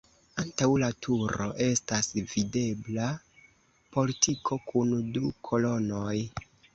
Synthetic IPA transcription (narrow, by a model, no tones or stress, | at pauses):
antawlatʰuɾo̞̰ʔe̞stasvide̞bla | po̞litʰikʰo̞kʰundukʰo̞lo̞no̞j